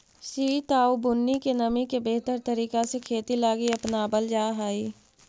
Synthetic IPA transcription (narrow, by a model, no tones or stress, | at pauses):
siːt̪aːubʊnːikenɐmikebeɦt̪əɾt̪əɾiːkasekʰeːt̪ilaːɡiɐpnabəld͡ʒaːɦaːiː